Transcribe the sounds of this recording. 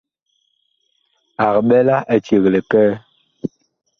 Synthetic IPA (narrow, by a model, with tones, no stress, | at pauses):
a˨kɓɛ˦la˦ʔɛ˨t͡ʃe˨ɣle˨kɛ˦